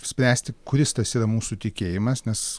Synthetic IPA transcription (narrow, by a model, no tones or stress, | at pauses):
sʲpʲɾʲæːsʲt̪ʲɪkʊɾʲɪst̪ɐsiːɾɐmuːsut̪ʲɪkʲeːjɪmɐsnʲɛs